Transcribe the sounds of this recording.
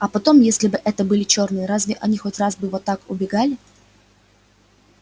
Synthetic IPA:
ɐpɐt̪o̞mjesʲlʲɪbɨʔɛt̪əbɨlʲɪt͡ɕo̞rnɨjəɾazvʲɪʔɐnʲixo̞tʲrazbɨvot̪ːakʊbʲɪɡalʲɪ

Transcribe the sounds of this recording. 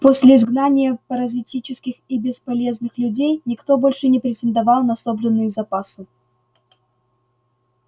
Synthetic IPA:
posʲlʲɪɪzɡnanʲɪjəpəɾɐzʲɪtʲit͡ɕɪskʲɪxibʲɪspɐlʲe̞znɨxlʲʉdʲejnʲɪkt̪o̞bo̞lʲʂɨnʲɪpɾʲɪtʲɪnd̪ɐvalˠnɐsobʐɨnːɨjʊzɐpasɨ

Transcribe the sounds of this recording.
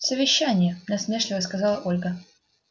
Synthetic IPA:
səvʲɪɕːænʲɪjənɐsmʲe̞ʂlʲɪvəskɐzɑlˠəʔo̞lʲɡə

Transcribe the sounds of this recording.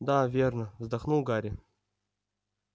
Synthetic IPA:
d̪avʲernəvzd̪axnulˠɡaɾʲɪ

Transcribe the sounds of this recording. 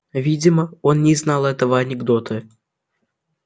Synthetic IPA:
vʲidʲɪməo̞nnʲɪznɑlˠɛt̪əvəɐnʲɪɡd̪ot̪ʰɨ

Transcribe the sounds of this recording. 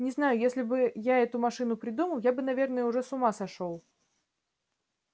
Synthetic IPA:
nʲɪznajʊjesʲlʲɪbɨjaɛt̪ʊmɐʂɨn̪ʊpɾʲɪd̪uməlˠjabɨnɐvʲernəjəʊʐɛsʊmasɐʂolˠ

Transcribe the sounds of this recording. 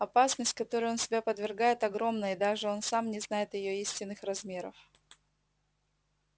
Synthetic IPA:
ɐpasnəsʲtʲkɐt̪o̞ɾʊʊo̞nsʲɪbʲapəd̪vʲɪrɡajɪt̪ɐɡɾo̞mnəɪd̪aʐɨo̞nsamnʲɪznajɪt̪jɪjoisʲtʲɪnːɨxrɐzmʲe̞ɾəf

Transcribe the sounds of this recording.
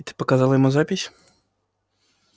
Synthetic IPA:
t̪ɨ̥pɐkazalˠɐjɐmuzapʲisʲ

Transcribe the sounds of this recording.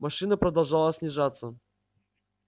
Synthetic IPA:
mɐʂɨnəpɾəd̪ɐlˠʐalˠəsʲnʲɪʐat̪sːə

